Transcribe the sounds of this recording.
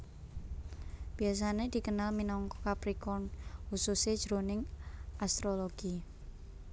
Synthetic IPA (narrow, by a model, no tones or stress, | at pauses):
b̥ias̬aned̪̥i̤kənalminɔŋkɔkapɾikɔnhusused̥ʒ̥ɾonɪŋast̪ɾoloɡ̥i